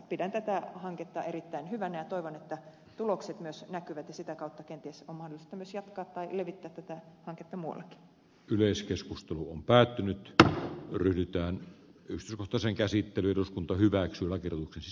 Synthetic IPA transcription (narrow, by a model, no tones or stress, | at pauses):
pidænt̪æt̪æhɑŋket̪ːɑerit̪ːæinhyʋænæjɑt̪oiʋonet̪ːæ | t̪ulokset̪myøsnækyʋæt̪jɑsit̪ækɑˑut̪ːɑkent̪ieˑsommɑhdolːˑist̪ɑmyøsjɑt̪kɑːt̪tɑileʋit̪ːæːt̪ːæt̪æhɑŋket̪ːɑmuɑ̰lːˑɑki̥ | yleˑiskeskust̪eluompæːt̪ːynyt̪ | ryhdyt̪æːnykst̪yˑskoht̪ɑseŋkæsit̪ːelyeruskunt̪ɑhyʋæksyølɑkerjot̪uksensi